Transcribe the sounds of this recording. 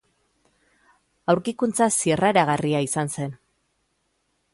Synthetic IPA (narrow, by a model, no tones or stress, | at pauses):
awɾkikunt͡sasieraeɾaɣariaisanse̞n